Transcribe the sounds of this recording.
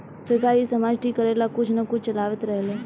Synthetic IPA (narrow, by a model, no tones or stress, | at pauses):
səɾkaːɾisəmaːd͡ʒʈʰiːkːəɾeːlakʊt͡ʃʰnɐkʊt͡ʃʰt͡ʃɐlaːʋət̪ɾɛɦleː